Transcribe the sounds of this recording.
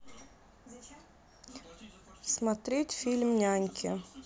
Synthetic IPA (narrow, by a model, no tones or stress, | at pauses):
smat̪ɾʲet̪ʲfʲilʲmnʲaŋʲkʲʰɪ